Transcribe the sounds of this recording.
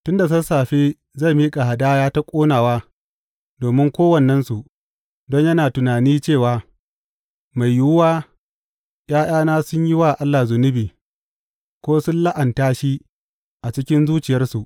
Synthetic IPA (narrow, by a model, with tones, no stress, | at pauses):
tʊ˦nda˨s̬ɐ˦nsaː˨ɸeː˦ | za˦˨miː˦kʼa˨ha˨daː˦jaː˦ta˦kʷʼoː˦naː˨waː˦ | doː˨mɪ˦ŋkʷoː˦wɐ˨nːɐ˦nsu˨ | dɔ˦ɲjɐ˦naː˨tʊ˨naː˨niː˦t͡ʃeː˦˨waː˨ | ma˨jːu˦waː˦ | j̰ʔaː˦j̰aː˦naː˦sʊ˦ɲji˦waː˦˨ʔa˦lːaː˨zʊ˨nʊ˦biː˨ | kʷoː˦sʊ˦nla˦ʔɐ˨ntaː˦ʃi˦ | ʔa˨t͡ʃɪ˦kʲɪ˦nzuː˦t͡ʃɪ˨jɐ˦rsu˨ʔ